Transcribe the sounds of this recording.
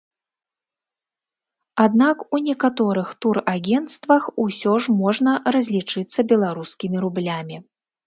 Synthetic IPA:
ad̪nakunʲɛkat̪ɔɾɨxt̪uraɡʲɛnt̪st̪vɐxusʲɔʐmɔʐnɐrɐzʲlʲit͡ʂɨt̪sːɐbʲɛlˠaɾuskʲimʲiɾublʲamʲi

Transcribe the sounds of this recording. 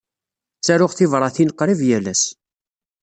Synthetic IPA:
sæɾʊʁθɪvɾˤɑθinəqːɾˤivjælæs

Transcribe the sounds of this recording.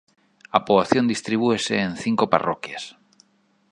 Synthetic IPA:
apoβaθjond̪ist̪ɾiβ̞ueseːnθiŋkopa̰ro̰kjas

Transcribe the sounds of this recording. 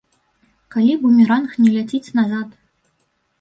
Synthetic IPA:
kalʲibumʲiɾanxnʲɛlʲat͡sʲit͡sʲnazat̪

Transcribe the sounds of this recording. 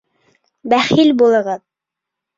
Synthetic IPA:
bæχilbulˠɤ̆ʁɤð

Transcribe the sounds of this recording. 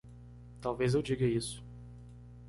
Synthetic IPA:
t̪awvezewd͡ʒiɡɐisʊ̥

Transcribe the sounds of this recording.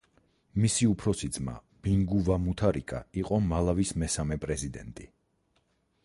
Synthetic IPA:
misiupʰɾɔsid̪zma̰ | b̥iŋɡuvamut̪ʰaɾikʼa̰iqʼɔmalˠavismɛsamɛpʼɾɛzid̪ɛ̰nt̪ʼi

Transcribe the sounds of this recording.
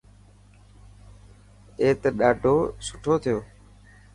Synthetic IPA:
eːt̪ɗaːɖʱoːsʊ̥ʈʰoːt̪ʰɪjoː

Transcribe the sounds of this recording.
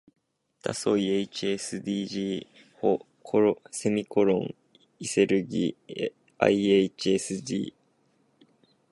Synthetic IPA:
t̪a̰so̞ieit͡ɕiesɨd̪iːʑiː | ho | kʰoɾse̞mʲiko̞ɾõ̰ŋ | ise̞ɾɯ̟ɡʲḭː | a̰iet͡ɕiesɨd̪ḭː

